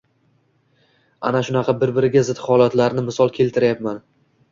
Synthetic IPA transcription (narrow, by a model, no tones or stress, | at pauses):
a̰naʃʊnɑqʰɑbɪɾbɪɾɪɡʲazɪt̪hɒlat̪laɾnɪmɪsɒlˠkʲʰe̞lt̪ʰɪɾjapman